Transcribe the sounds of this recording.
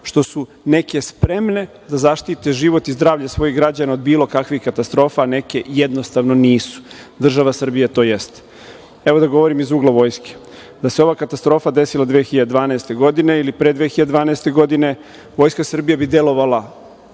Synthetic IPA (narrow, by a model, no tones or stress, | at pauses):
ʃt̪o̞su | ne̞ke̞spɾe̞mne̞ | d̪azaʃt̪it̪eʒiʋo̞t̪izd̪ɾaːʋʎasʋo̞jiɣɡɾad͡ʑanaod̪biːlo̞kakʋixkat̪ast̪ɾo̞ːfane̞ke̞jed̪no̞st̪aʋnoniːsu̥d̪r̩ʒaʋasr̩bijet̪o̞ːjest̪ | e̞ʋo̞d̪aɡo̞ʋo̞ɾimizuːɡlˠaʋo̞ːjske̥ | d̪aseo̞ʋaːkat̪ast̪ɾo̞fad̪e̞silad̪ʋexiʎad̪ed̪ʋaːneːst̪e̞ɡo̞d̪ine̞ilipɾed̪ʋeːxiʎad̪ed̪ʋaːnaest̪e̞ɡo̞d̪ine̞ | ʋo̞ːjskasr̩bijabid̪e̞lo̞ʋalˠa